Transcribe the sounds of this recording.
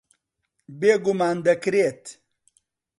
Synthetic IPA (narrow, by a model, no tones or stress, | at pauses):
beːɡʊmaːnd̪ɐkɾet̪